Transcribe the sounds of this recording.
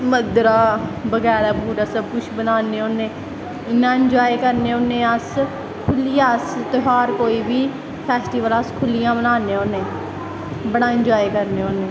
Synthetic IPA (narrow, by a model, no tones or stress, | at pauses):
məd̪ɾaːbəɡɛːɾaːbʱuːɾəsəb̚kʊt͡ʃʰbənaːneːoːnẽː | ɪnːãːɪnd͡ʒɔːekəɾneːoːnːẽːəs | kʰʊlijãːəst̪oɦaːɾkoːiːbiː | pʰɛːsʈiːʋələskʰʊlɪjãːbənaːnẽːoːnẽː | bəɽãːɪd͡ʒaːekəɾneːoːnẽː